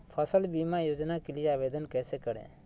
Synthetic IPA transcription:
pʰəsəlbiːmajoːd͡ʒnakelɪjeaːʋeːd̪ənkɛːsɛkəɽɛ̰̃ː

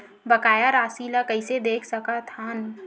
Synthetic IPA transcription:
bɐkaːjaɾaːsilakəɪsed̪eːkʰsɐkat̪ʰaːn

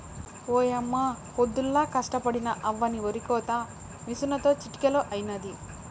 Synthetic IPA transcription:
oːjɐmːa | hod̪ːulːaːkɐʂʈɐpɐɽinɐʔɐʋːɐnioɾikɔːt̪ɐ | misunɐt̪o̞ːt͡ʃiʈi̥kɐloːʔɐjinɐd̪i

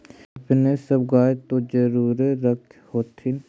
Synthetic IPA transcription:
ɐpnesəbɡaːet̪od͡ʒəɾuːɾeɾəkʰhoːt̪ʰin

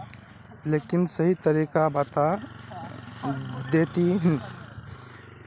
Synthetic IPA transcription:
leːkɪnsəɦit̪əɾiːkabat̪a | d̪eːt̪iɦɛ̃

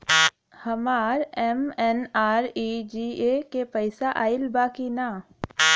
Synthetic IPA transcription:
hɐmaːɾɛmɛnaːɾid͡ʒiekepɐɪsaʔaːɪlbaːkinaː

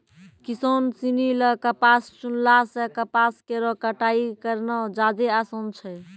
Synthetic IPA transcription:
kisonsiniləkəpast͡ʃunlasekəpaskeɾɔkəʈaikəɾnɔd͡ʒad̪easont͡ʃʰɛ

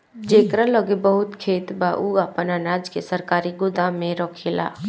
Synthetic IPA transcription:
d͡ʒeːkɾaləɡebəɦʊt̪kʰeːt̪baːʔuaːpənanaːd͡ʒkesəɾkaːɾiɡʊd̪aːmẽɾɔːkʰela̰ː

